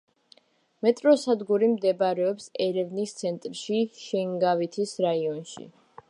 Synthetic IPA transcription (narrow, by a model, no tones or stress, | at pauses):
mɛt̪ʼɾɔsad̪ɡuɾimd̪ɛbaɾɛɔpsɛɾɛvnist̪sʰɛnt̪ʼɾʃiʃɛŋɡavit̪ʰisɾaiɔnʃḭ